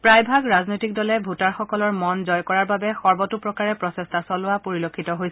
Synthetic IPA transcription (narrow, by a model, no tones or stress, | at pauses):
pɹajbʱaɡɹaznojtik̚dɔlɛbʱutaɹxɔkɔlɔɹmɔnzɔjkɔɹaɹbabɛxɔɹbɔtupɹɔkaɹɛpɹɔsestʰasɔlʊwapoɹilokʰːitɔɦojsɛ